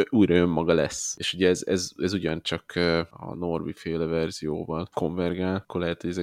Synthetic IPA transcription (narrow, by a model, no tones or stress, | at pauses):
ʔuːjrɒjø̞mːɒɡɒlɛ̰seːʃuɟɛɛzɛ̰zɛzuɟɒnt͡ʃɒkːɒ̰no̞rbifeːlɛvɛrz̥ijo̰ːvɒlko̞ɱvɛrɡaːlkːorlɛɦɛt̪hoɟɛzɛ